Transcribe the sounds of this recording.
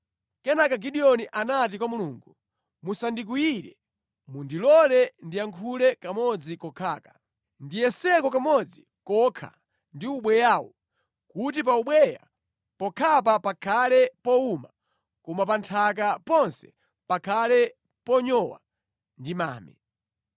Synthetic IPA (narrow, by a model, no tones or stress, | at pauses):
kɛnakaɡiɗijɔniʔanat̬ikwamuluːŋɡu | musandik̬ujiɾɛ̰ | mundilɔlɛndiaŋkʰulɛkamɔd͡zikɔkʰaːkḁ | ndijɛsɛkɔkamɔd͡zi | kɔkʰa̰ | ndiuɓwɛjaːwɔ̰ | kut̬ip̬auɓwɛja̰ | pɔkʰap̬apakʰalɛpɔuma | kɔmapantʰak̬apɔnsɛ̥ | pakʰalɛ | pɔɲɔwa̰ | ndima̰ːmɛ̰